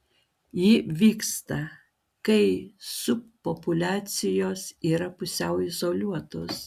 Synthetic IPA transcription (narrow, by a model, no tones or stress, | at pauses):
jɪʋʲiːkst̪ɐ | kɐɪsʊppːopʊlʲæːt̪sʲɪjoːsiːɾɐpʊsʲɛʊɪzoːlʲuɔt̪oːs